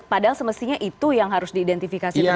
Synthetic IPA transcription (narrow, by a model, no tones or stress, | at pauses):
padaɦalsəməst̪iɲaʔit̪ujaŋɦaɾʊsdiːdɛnt̪ifikasi